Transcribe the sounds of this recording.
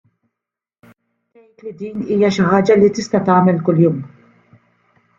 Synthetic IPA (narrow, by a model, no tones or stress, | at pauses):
t̪ɛjt̪lid̪iːniːjɐʃɪħɐːd͡ʒɐlit̪ɪst̪ɐt̪ɐːmɛlkʊljuːm